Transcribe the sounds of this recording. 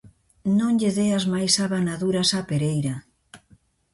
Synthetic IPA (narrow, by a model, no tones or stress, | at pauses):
nõŋʎeðeazmajsaβanaðuɾasapeɾejɾa